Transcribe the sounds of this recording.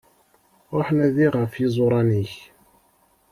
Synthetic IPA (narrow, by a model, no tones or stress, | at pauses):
ɾoħnæðiʁəfizˤoɾˤɑniç